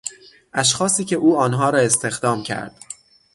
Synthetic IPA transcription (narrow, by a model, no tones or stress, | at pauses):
ʔæʃ̬xɒːsiːcʲʰe̞ʔuːɒːnɦɒːɾɒːe̞st̪ʰe̞xd̪ɒːmcʰæ̰ɾd̪̥